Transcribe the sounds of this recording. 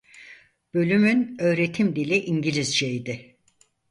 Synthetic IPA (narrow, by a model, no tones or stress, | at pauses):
b̥ø̞lʲymynø̞ːɾe̞t̪ʰimd̪ilʲiʔiɲɟilʲizd͡ʒejd̪ɪ